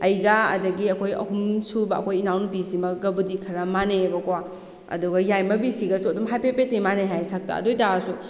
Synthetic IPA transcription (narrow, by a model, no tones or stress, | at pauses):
ɐjɡɐɐ̰dɐɡiɐkʰojɐ̰humsubɐɐ̰kʰojinawnupisimɐɡɐbudikʰɐɾɐmanebɐkwa | ɐ̰duɡɐjajmɐbisiɡɐsuɐdumɦajpepetimaneɦajsak̚ta̰ɐ̰dojtasu